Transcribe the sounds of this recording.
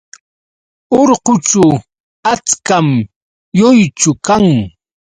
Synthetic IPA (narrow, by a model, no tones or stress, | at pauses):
oɾqʊt͡ʃʊ | at͡skam | jʊjt͡ʃʊkaŋ